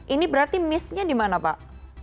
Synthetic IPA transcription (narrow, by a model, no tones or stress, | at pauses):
ʔinibəɾart̪imɪsɲadimanapa̰ʔ